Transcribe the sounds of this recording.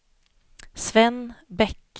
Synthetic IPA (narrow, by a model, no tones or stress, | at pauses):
svɛnbɛkː